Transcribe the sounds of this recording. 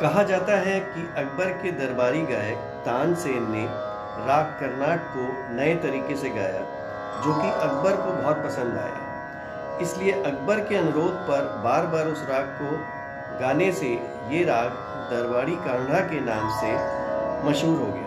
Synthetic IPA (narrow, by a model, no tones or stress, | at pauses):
kɐɦad͡ʒaːt̪aɦɛkiʔɐk̚bəɾked̪ɐɾbaːɾiɡaːjək | t̪ãːnseːnne | ɾaːɡ̚kɐɾnaːʈ̚ko | nɐet̪ɐɾiːkeseɡaːja̰ | d͡ʒoːkiʔɐɡbəɾkobɔɦt̪̚pɐsə̃nd̪a̰ːja̰ː | ɪslieʔɐɡ̚bəɾkeɐnʊɾoːd̪̚ʱpɐɾbaːɾbaːɾʊsɾaːɡ̚ko | ɡaːnese | jeɾaːɡ | d̪ɐɾbaːɽikãːŋɽakenaːmse | mɐʃɦuːɾɦo̰ːɡəj̰a̰ː